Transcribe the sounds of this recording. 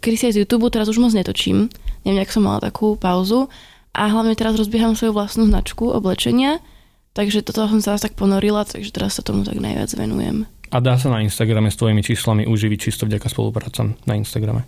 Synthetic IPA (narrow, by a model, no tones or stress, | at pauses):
kɛd̪isiajzjuːt̪uːbut̪ɛɾazuʒmɔd͡zɲɛt̪ɔt͡ʃḭːmɲɛɛmɲɛaksɔmːa̰la̰t̪a̰kʰuːpaʊzu | ʔaɦlaʊɲɛt̪ɛɾazɾɔzbɪɛɦamsʋɔjuʋlast̪nuːznat͡ʃkuɔ̰blɛt͡ʃɛɲɪa | t̪aɡʒɛt̪ɔt̪ɔas̬ɔmsɛɾast̪ak̚pɔnɔɾilat̪a̰ɡʒɛt̪ɛɾassat̪ɔmut̪a̰ɡna̰jʋɪa̰d͡zʋɛ̰nṵjɛ̰mʔad̪aːs̬anainst̪aɡɾamɛst̪ʋɔjimit͡ʃiːslamiʔuːʒiʋic̚t͡ʃist̪ɔvɟakaspɔ̰lṵpɾaːt͡sa̰mnainst̪aɡɾa̰mɛ